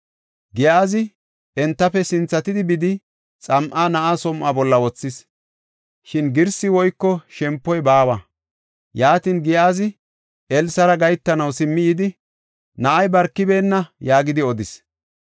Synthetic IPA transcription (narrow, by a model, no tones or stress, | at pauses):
ɡɪjaːzɪ | ɛnt̪ːɐpːɛsɪnt͡sːɐt̪ɪd̪ɪbɪd̪ɪ | t͡sʼɐmʔaːnɐʔaːsɔmʔabɔlːɐwɔt͡sːɪs | ʃɪnɡɪɾsɪwɔjkːɔʃɛmpːɔjbaːwɐ | jaːt̪inɡɪjaːzɪ | ʔɛlsɐɾɐɡɐjt̪ːɐnɐwsɪmːɪjɪd̪ɪ | nɐʔɐjbɐɾkːɪbe̞ːnːɐjaːɡɪd̪ɪɔd̪ɪs